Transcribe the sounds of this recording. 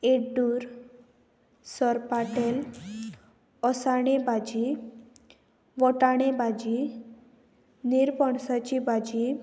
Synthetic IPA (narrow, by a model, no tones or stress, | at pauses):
eɖuːɾ | sɔɾpaʈel | ɔsaɽ̃ebad͡ʑi | ʋɔʈaɽ̃ebad͡ʑi | niɾpɔɳsat͡ɕibad͡ʑi